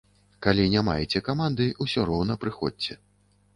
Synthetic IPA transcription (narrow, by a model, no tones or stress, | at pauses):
kalʲinʲama̰jɛt͡sʲɛkamand̪ɨusʲɔɾɔwnɐpɾɨxɔ̰dʲt͡sʲɛ